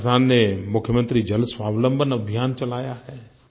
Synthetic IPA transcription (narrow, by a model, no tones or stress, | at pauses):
sʰaːnːemʊkʰjəmə̃nt̪ɾid͡ʒɐlsʋaːʋlə̃mbʱənɐbʱijaːnt͡ʃɐlaːjaɦɛː